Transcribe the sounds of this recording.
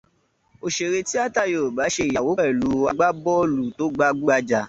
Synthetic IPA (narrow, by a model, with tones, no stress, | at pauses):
o˨ʃe˨ɾe˧ti˦a˦ta˦˨jo˨ba˨˦ʃe˧˨ja˨wo˨˦ɛ˦˨lu˨˦a˧ɡ͡ba˦bɔ˦lu˨to˨˦ɡ͡ba˧ɡ͡bu˦a˧d͡ʒa˧˨